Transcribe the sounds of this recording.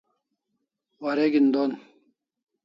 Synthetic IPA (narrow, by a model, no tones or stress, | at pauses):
wɐɾeɡind̪on